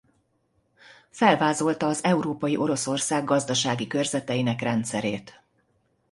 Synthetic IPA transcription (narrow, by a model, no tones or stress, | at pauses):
fɛlvaːzo̞lt̪ɒːzɛuɾoːpɒjiʔo̞ɾo̞so̞rsaːɡːɒzd̪ɒʃaːɡikørzɛt̪ɛjinɛkrɛnt̪sɛɾeːt̪